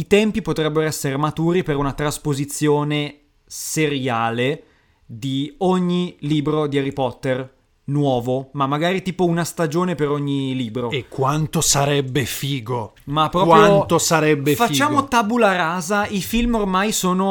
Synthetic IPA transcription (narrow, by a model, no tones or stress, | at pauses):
it̪ɛmpipot̪ɾɛbːeɾoɛsːeɾemat̪uːɾipeɾunat̪ɾaspozit̪sːjoːne | seɾjaːle | d̪ioɲːiliːbɾod̪iaɾipɔt̪ːer | nwɔːvomamːaɡaːɾit̪iːpounast̪ad͡ʒoːnepeɾoɲːiliːbɾoekkːwant̪osaɾɛbːefiːɡo | mapːɾɔkwant̪osaɾɛbːefait͡ʃːaːmot̪abulaɾaːzaifilmormajsoːno